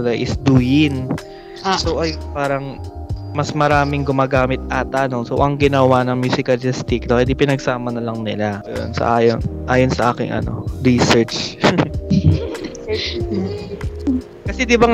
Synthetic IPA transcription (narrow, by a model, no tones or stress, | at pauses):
laɡʔɪsd̪uːjɪn | soʔɐjnpaːɾɐŋmɐsmɐɾaːmɪŋɡʊmaːɡaːmɪt̪̚ʔɐt̪aːnosoʔɐŋɡɪnɐwanɐŋmjuːsɪkɐlɪst̪ɪk̚d̪okɛd̪ipɪnɐɡsaːmɐnɐlɐŋnɪ̰lajo̰nsɐ̰ʔaːjonʔaːjonsɐʔaːkɪ̰ŋʔɐ̰no̞̰ɾisɛɹt͡ʃ | kɐsɛd̪ɪba